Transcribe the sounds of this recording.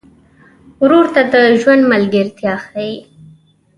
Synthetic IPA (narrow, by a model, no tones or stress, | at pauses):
ʊɾuɾt̪ad̪əʒwand̪malɡəɾt̪jɑxaji